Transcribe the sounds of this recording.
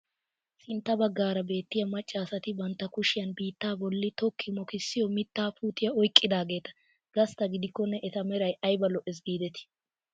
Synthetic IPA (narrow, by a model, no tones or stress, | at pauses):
sɪnt̪ːɐbɐɡːaːɾɐbe̞ːt̪ːɪjɐmɐt͡ʃʼːaːsɐt̪ɪbɐnt̪ːɐkʊʃɪjɐnbiːt̪ːaːbɔlːɪt̪ɔkːɪmɔkɪsːɪjɔmɪt̪ːaːpuːt̪ɪjɐɔjkʼːɪd̪aːɡe̞ːt̪ɐ̥ | ɡ̥ɐst̪ɐɡɪd̪ɪkːɔnːɛʔɛt̪ɐmɛɾɐjɐjbɐlɔʔɛs̬ɡiːd̪ɛt̪ɪ̥